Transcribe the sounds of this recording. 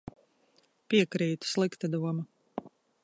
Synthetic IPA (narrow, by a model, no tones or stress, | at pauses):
pʲiɛkɾiːt̪u̥slˠikt̪ad̪uɔma